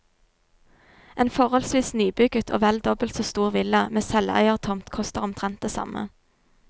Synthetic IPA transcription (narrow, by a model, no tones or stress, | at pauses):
ʔeːnfɔʁhɔlsʋiːsnyːbʉɡət̪ʰo̰ːʋɛld̪ɔbəlt̪soːst̪uːʁʋɪləmeːsɛlæ̰ɪəʁt̪ʰɔmt̪kʰɔst̪əʁʊmt̪ʰʁɛnt̪̚d̪eːsɑ̰mə̰